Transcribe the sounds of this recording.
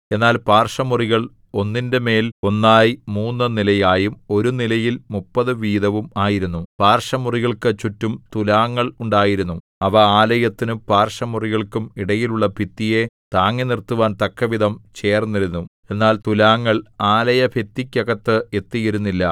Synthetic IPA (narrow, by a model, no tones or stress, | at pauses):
e̞nːaːlpaːrʂɐmuriɣɐɭ | o̞nːindeme̞ːlo̞nːaːjimuːnːɨnilɐjaːjumo̞ɾunilɐjilmupːɐðɨʋiːðɐʋumaːjiɾunːupaːrʂɐmuriɣɐɭkɨt͡ɕːutːumt̪ulaːŋːɐɭuɳɖaːjiɾunːu | ɐʋɐaːlɐjɐt̪ːinupaːrʂɐmuriɣɐɭkumiɽɐjiluɭːɐpit̪ːije̞t̪aːŋːinirt̪ːuʋaːnt̪ɐkːɐʋiðɐmt͡ɕe̞ːrnːiɾunːu | e̞nːaːlt̪ulaːŋːɐɭaːlɐjɐpet̪ːikʲːɐɣɐt̪ːɨe̞t̪ːijiɾunːilːɐ